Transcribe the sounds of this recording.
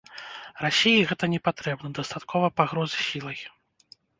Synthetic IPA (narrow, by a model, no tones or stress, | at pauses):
rasʲijiɣɛt̪ɐnʲɛpat̪ɾɛbnɐd̪ɐst̪at̪kʰɔvɐpaɣɾɔzɨsʲilˠɐj